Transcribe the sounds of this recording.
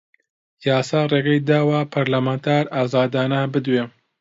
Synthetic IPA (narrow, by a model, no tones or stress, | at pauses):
jaːsaːreːɡɐjd̪aːwapʰaɾlamaːnt̪ʰaːɾaːzaːd̪aːnabɨd̪weː